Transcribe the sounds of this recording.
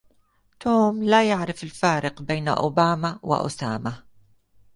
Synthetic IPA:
t̪uːmlajaʕɾɪfɪlfaːɾɪqbeːn̰ʔʊ̰baːmawɪ̰ʔʊ̰saːma

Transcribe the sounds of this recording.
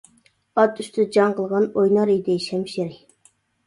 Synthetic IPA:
ɑt̪yʃt̪ɪd͡ʒɑɴqəlˠʁɑnojnɑɾid̪ɪʃɛmʃɪɾɪ

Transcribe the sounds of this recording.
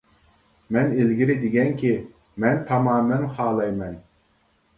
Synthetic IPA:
mɛnelɡʲiɾɪd̪ɪɡʲɛŋkʲʰi | mɛnt̪ʰɑmɑːmɛnχɑːlˠɑjmɛn

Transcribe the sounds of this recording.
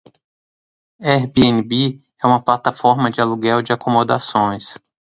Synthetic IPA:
ɛhbeenibi | ɛũmɐplat̪afɔɾmɐd͡ʒɪaluɡɛwd͡ʒɪakomod̪a̰sõj̃s

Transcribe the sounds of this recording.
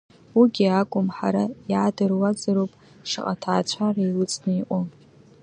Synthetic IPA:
wuɡʲiakʷʼʊmħaɾajaːdɨrwad͡zʼɨɾowpʼ | ʃɨqʼatʰa̰ːt͡ɕʷʰaraiwʊt͡sʼnɨiʔʷʼʊ

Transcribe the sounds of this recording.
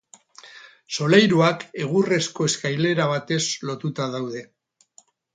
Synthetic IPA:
so̞lejɾuake̞ɣure̞sko̞e̞skajle̞ɾaβ̞at̪e̞slo̞t̪ut̪aðawðe̞

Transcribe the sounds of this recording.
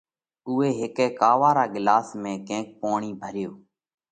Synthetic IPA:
ʊːeːɦɪkeːkaːʋaːɾaːɠɪlaːsmẽːkẽːk̚poːɳiːbʱəɾɪjoː

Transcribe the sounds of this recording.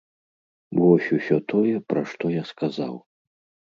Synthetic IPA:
vɔsʲusʲɔt̪ʰɔjɛpɾaʂt̪ɔjaskʰaza̰w

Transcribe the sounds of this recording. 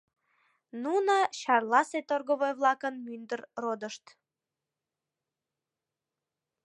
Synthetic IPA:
nunəɕɑrlˠɑset̪orɣoβojβlˠɑkənmynd̪ərrod̪əʃt̪

